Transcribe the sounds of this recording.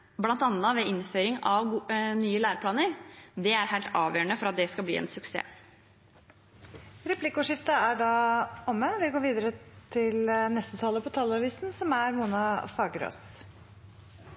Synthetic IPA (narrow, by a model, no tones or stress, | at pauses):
blɑnt̪ɑnːəʋɛːɪnføːɾɪŋɑʋɡnyːəlæːɾpʰlɑːnəɾd̪ɛæɾhæɪlt̪ʰɑːʋjøːɾəɳəfɔɾɑt̪̚d̪ɛskɑlblḭːɛ̰nsʉksḛː | ɾɛpʰlɪkʊʂɪft̪əæɖɑɔməʋɪɡoːɾʋiːd̪əɾət̪ʰɪlnɛst̪ət̪ʰɑːləpʰɔt̪ʰɑlɑʋiːsnsɔmæɾmuːnɑfɑːɡəɾo̰ːs